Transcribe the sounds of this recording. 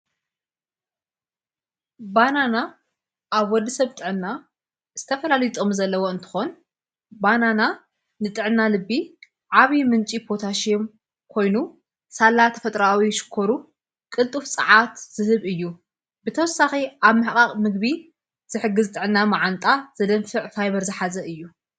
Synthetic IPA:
banana | ʔaβwɔd̪ːɐsɐβt̪ʼɨʕɨnːa | z̥ɨt̪ʰɐfɐlalit̪ʼo̞mzɐlːɐwo̞ɨnt̪ʰɨ̥xo̞n | banana | nɨt̪ʼɨʕɨnːalɨbːi | ʕaβimɨnt͡ʃʼipʰo̞t̪ʰaʃijom | kʰo̞jnu | salːat̪ʰɐfɐt̪ʼɾawiʃɨ̥kʰːoɾu | kʼɨlt̪ʼufsʼɨ̰ʕat̪z̥ɨhɨβɨjːu | bɨt̪ʰɐwɔsaxiʔaβmɨħkʼaχʼmɨɡ̚bi | z̥ɨħɨɡːɨzt̪ʼɨʕɨnːamaʕant̪ʼaz̥ɐd̪ɐnfɨʕfajβɐɾzɨħazɐɨjːu

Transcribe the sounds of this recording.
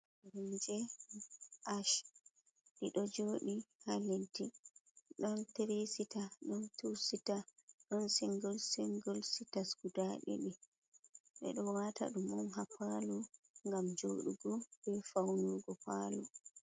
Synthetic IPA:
ɾund͡ʒɛ | ʔaʃ | ɗiɗɔd͡ʒoɗihaledːiɗɔnteɾesitaɗɔntusitaɗɔnsiŋɡɔlsiŋɡɔlsitaskudaɗḭɓɛ | ɓɛ̰ɗɔwata̰ɗumɔmɦapaluŋɡamd͡ʒoːɗuɡɔbɛfawnuɡɔpalu

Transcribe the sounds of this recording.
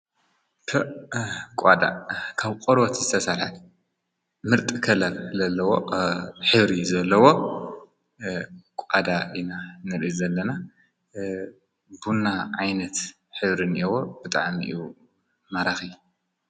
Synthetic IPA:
kʰɐʔkʷʼad̪a̰kʰaβqʼoɾot̪zɨt̪ʰɐsalhal | mɨɾt̪ʼikʰɐlɐɾzɐlːɐwo̰ħɨβɾizɐlːɐwo̞ | kʷʼad̪aʔinanɨɾzɐlːɐna | bunːaʕajnɐt̪ | ħɨβɾinʔiwob̥ɨt̪ʼaʕmḭʔiju | maɾaxi

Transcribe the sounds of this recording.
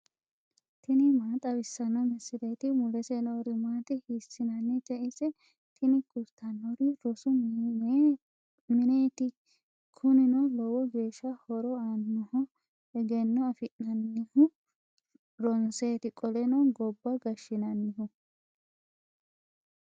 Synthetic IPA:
t̪ɪnɪmaːt̪ʼɐwɪsːɐnɐmɛsːɪd̪ɐjt̪ɪmʊlɛsenɔɾɪmaːt̪ɪhɪsːɪnɐnːɛt̪ɛʔɪsɛ | t̪ʰɪnɪkʼʊlt̪ʰːɐnːɔɾɪɾɔsʊ | mɪnet̪ɪ | kʰʊnɪnɔlɔwɔɡe̞ːʃːɐhɔɾɔɐnːɔhɔ | ɛɡɛnːɔɐfɪnːɐnːɪhʊ | ɾɔnseːt̪ɪkʼɔlɛnɔɡɔbːɐɡɐʃːɪnɐnːɪɦʊ

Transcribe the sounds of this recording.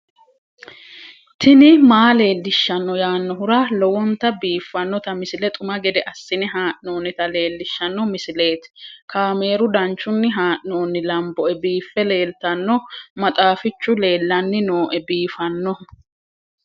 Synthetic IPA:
t̪ʰɪnɪmaːle̞ːlːɪʃːɐnːɔjaːnːɔɦʊɾaːlɔwɔnt̪ɐbiːfːɐnːɔt̪ɐmɪsɪlɛt̪ʼʊmɐɡɛd̪ɛʔɐsːɪnɪɦaːʔno̞ːnːɪt̪ɐle̞ːlːɪʃːɐnːɔmɪsɪle̞ːt̪kaːme̞ːɾʊd̪ɐnt͡ʃːʊnːɪɦaːʔno̞ːnːɪlɐmbɔɛbiːfːɛle̞ːlt̪ɐnːɔmɐt̪ʼaːfɪt͡ʃːʊle̞ːlːɐnːɪnoːʔɛbiːfɐnːɔ

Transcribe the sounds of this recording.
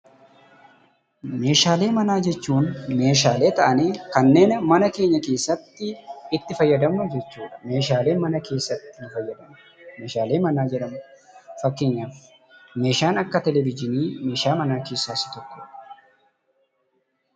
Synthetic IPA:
me̞ːʃaːle̞ːmɐnaːd͡ʒɛt͡ʃːuːnme̞ːʃ̬aːle̞ːt̪ɐʔɐneːkɐnːe̞ːnmɐnɐke̞ːɲːɐke̞ːsːɐt̪ːɪɪt̪ːɪfɐjːɐd̪ɐmnʊd͡ʒɛt͡ʃːuːᶑɐ̥me̞ːʃaːle̞ːmɐnɐke̞ːsːɐt̪ːɪnʊfɐjːɐd̪ɐmʊ̥ | me̞ːʃaːle̞ːmɐnaːd͡ʒɛᶑɐmʊ | fɐkːeːɲːaf | me̞ːʃaːnɐkːɐt̪ɛlɛbɪd͡ʒɪniːme̞ːʃaːmɐnaːke̞ːsːaːsɪ̥t̪ɔkːo̥

